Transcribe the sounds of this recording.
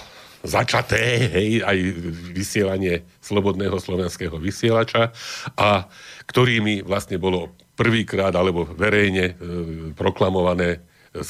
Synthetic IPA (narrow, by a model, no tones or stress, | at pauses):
zat͡ʃat̪ɛːɦɛjajʋisɪɛlaɲɪɛ | slɔbɔd̪nɛːɦɔslɔʋɛnskɛːɦɔʋisɪɛlat͡ʃaʔakt̪ɔɾiːmiʋlast̪ɲɛbɔlɔ | pr̩ʋiːkɾaːd̪alɛbɔʋɛɾɛjɲɛpɾɔklamɔʋanɛː